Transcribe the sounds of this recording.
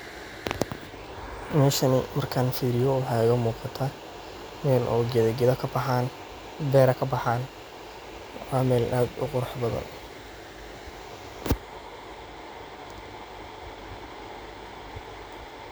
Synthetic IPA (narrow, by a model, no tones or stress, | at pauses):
mɛːʃɐnɪmɐrkʰɐnfiːɾɪjɔʊħɑɣɐmuːqɑt̪ʰa | mɛːlʔɔ̰ːɡɛðɐɡɛðɐkʰː | bɛːɾɐkʰɐbɐħaːn | aːmɛːlʔaːd̪ʊ̰qʊɾɑħbɐðɐ̰nʔ